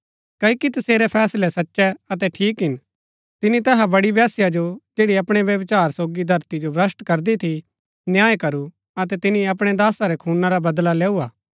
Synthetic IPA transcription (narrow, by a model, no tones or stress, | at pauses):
kɐikit̪ɐseːɾɛpʰɛːslɛsɐtːʃɛɐt̪̬ɛʈʰiːkɦɪn | t̪ɪnit̪ɛːɦabɐɽiʋjaːsjad͡ʒod͡ʒeːɽiɐpɽ̃eʋjɐʋt͡ʃaːɾsoːɡid̪ʱɐɾt̪id͡ʒobɾɐsʈkɐɾd̪it̪ʰi | njaːekɐɾu | ɐt̪ɛt̪ɪnĩɐp̬ɽ̃ɛd̪aːsaɾɛkʰuːnaɾabɐd̪laleːuaː